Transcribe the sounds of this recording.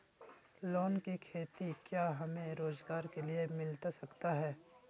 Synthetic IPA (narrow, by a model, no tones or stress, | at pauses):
loːnkikʰeːt̪ikjaːɦɐmẽɾoːzɡaːɾkeliemɪlt̪asɐkt̪aɦɛː